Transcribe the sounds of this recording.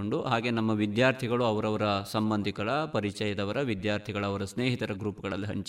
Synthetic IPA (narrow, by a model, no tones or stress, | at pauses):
oɳɖuɦaːɡe̞nɐmːɐʋid̪jaːɾt̪ʰiɡɐɭuɐʋɐɾɐʋɐɾɐsɐmbɐnd̪ʱikɐɭɐpɐɾit͡ʃɐjɐd̪ɐʋɐɾɐʋid̪jaːɾt̪ʰiɡɐɭɐɐʋɐɾɐsneːɦit̪ɐɾɐɡɾuːpɐɡɐɭɐlːiɦɐ̰ɲt͡ʃ